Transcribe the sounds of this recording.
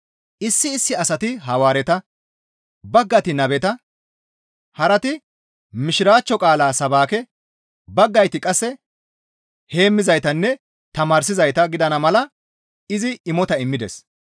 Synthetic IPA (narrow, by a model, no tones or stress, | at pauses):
ʔɪsːɪːsːɪɐsɐt̪ɪɦɐwaːɾɛt̪ɐ | bɐɡːɐt̪ɪnɐbɛt̪ɐ | hɐɾɐt̪ɪ | mɪʃɪɾaːt͡ʃːɔkʼaːlaːsɐbaːkɛ | bɐɡːɐjt̪ɪkʼɐsːɛ | he̞ːmːɪzɐjt̪ɐnːɛ | t̪ɐmaːɾs̬ɪzɐjt̪ɐɡɪd̪ɐnɐmɐlɐ | ɪzɪɪmɔt̪ɐɪmːɪd̪ɛ̰s